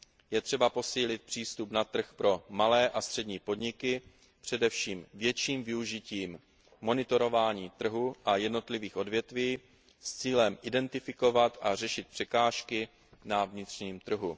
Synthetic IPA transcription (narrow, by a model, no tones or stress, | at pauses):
jɛt̪r̝̥ɛbapo̞siːlɪt̪̚pr̥iːst̪upnat̪r̩xpɾo̞malɛːʔast̪r̝̥ɛdɲiːpo̞dɲɪkɪ | pr̝̥ɛdɛfʃiːmvjɛt͡ʃiːmvɪuʒɪciːmː | o̞nɪt̪o̞ɾo̞vaːɲiːt̪r̩ɦuʔajɛdno̞t̪lɪviːxʔo̞dvjɛt̪viː | st͡siːlɛmʔɪdɛnt̪ɪfɪko̞vat̪ʔar̝ɛʃɪt̪̚pr̥ɛkaːʃkɪ | navɲɪt̪r̝̥ɲiːmt̪r̩ɦu